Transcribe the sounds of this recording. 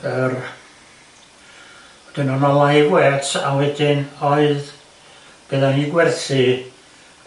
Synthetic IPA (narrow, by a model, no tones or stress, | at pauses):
ər | d̥ɪnɔnɔlˠahiɡwɛtʰawɛdɪnɔɨð | b̥ɛðanhiːɡwɛrθi